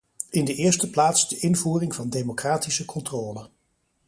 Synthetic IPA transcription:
ɪndəʔɪːɹstəplaːtsdəʔɪnvuːrɪŋvɑndemokraːtisəkʰɔntrɔːlə

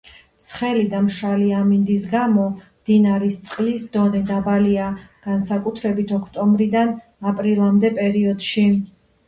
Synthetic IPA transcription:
t̪sʰχɛlid̪amʃaliamind̪isɡamɔmd̪̥inaɾist̪sʼqʼlisd̪ɔnɛd̪abaliaɡ̥ansakʼut̪ʰɾɛbit̪ʰɔkʰt̪ʼɔmbɾid̪an | apʼɾilˠamd̪ɛpʼɛɾiɔd̪̥ʃi

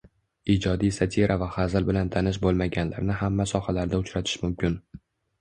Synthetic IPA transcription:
id͡ʒɒd̪ijsat̪ʰiɾʔavaχazɪlbɪlant̪ʰanɪʃ̬bolˠmaɡʲanla̰ɾnɪhamːasɒhalaɾd̪aʊt͡ʃɾat̪ʰɪ̥ʃmʊmkʲʰɪn

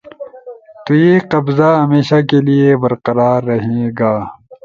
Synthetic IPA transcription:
t̪ujeqɐbzaɦɐmeːʃakeliebɐɾqɐɾaːɾːɐɦeːɡaː

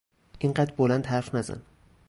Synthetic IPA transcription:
ɪɴɢat̪bolant̪haɾfnaza̰n

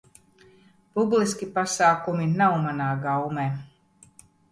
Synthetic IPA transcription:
publˠiskʲipasaːkuminawmanaːɡawmeː

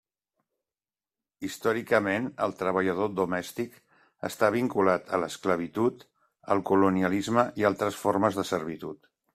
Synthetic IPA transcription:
ist̪ɔɾikəmenə̰lˠt̪ɾəβ̞əʎəð̞od̪umɛst̪ik | ə̰st̪aβ̞iŋkulat̪ʰələskləβit̪ut̪ | ə̰lˠkuluniəlizməʔialˠt̪ɾəsfoɾməzðəsəɾβit̪ut̪

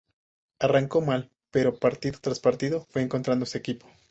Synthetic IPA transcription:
araŋko̞mal | pe̞ɾo̞paɾt̪iðo̞t̪ɾaspaɾt̪iðo̞fwe̞ːŋko̞nt̪ɾand̪o̞se̞ːkipo̞̥

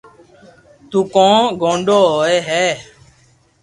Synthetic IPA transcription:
t̪uːkõːɡõːɳɖoːɦoːeːɦɛː

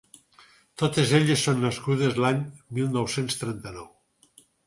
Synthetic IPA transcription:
t̪ot̪ezeʎesːonːaskuð̞ezlaɲmilˠnowsenst̪ɾent̪anɔw

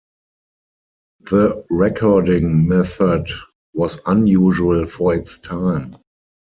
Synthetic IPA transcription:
ðəɹɛkʰɔdɪ̃ŋmɛθəd | wɔsãnjuːʒuəlfɔɪtstʰãɪ̃m

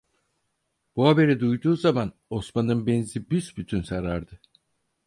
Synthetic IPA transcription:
b̥uɦabe̞ɾid̪ujd̪uːzaman | o̞smanɯnbɛnzibysbyt̪ʰynsaɾaɾd̪ɯ

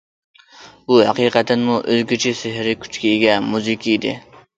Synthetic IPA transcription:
buhæ̰qiːqɛt̪ʰɛnmuʔøzɡʲyt͡ʃʰɪsɪɦɾɪkʲʰy̥t͡ʃkʲɛeɡʲɛmuzɪkʲʰiid̪ɪ̰

